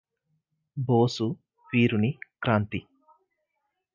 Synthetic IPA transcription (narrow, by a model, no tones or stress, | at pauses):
boːsu | piːɾunikɾaːnt̪i